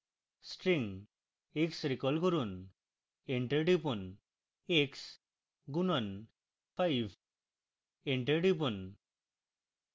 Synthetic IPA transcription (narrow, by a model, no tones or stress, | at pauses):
sʈɾiŋ | eksɾikɔlkɔɾun | eɳʈeɖipun | eks | ɡunɔn | pʰajb | eɳʈeɖipun